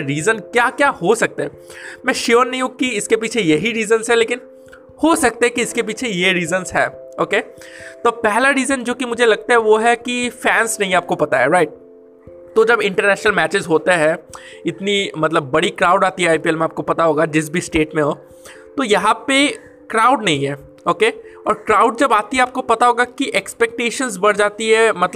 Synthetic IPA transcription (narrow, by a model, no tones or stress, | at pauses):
ɾiːzənkjaːkjaːhosɐk̚t̪eɦɛ | mɛ̃ʃioːnɐɦĩũkiɪskep̬iːt͡ʃʰejɐɦiɾiːzənzɦɛleːkɪn | hosɐk̚t̪eɦɛ̃kiɪskep̬iːt͡ʃʰejeɾiːzənzɦɛːoːkeːt̪oːpɛɦlaɾiːzənd͡ʒoːkimʊd͡ʒʱelɐɡ̚t̪aɦɛʋoɦɛkifɛːnsnɐɦĩaːp̚kopɐt̪aɦɛɾaɪʈ̚ | t̪od͡ʒɐbɪ̃ɳʈəɾnɛːʃnəlmɛːt͡ʃɪzɦoːt̪eɦɛ̃ɪt̪nimɐt̪ləbːɐɽikɾaːʊɖaːt̪iɦɛaːjpiɛlmẽaːp̚kopɐt̪aɦoːɡad͡ʒɪs̬bʱisʈeːʈmẽɦoː | t̪ojɐɦãpe | kɾaːʊɖnɐɦĩɦɛː | oːkeɔ̰ːɾkɾaːʊɖ̚d͡ʒɐbaːt̪iɦaːp̚kopɐt̪aɦoːɡakiʔɛkspɛk̚ʈeːʃə̃nzbɐɽd͡ʒaːt̪iɦɛmɐt̪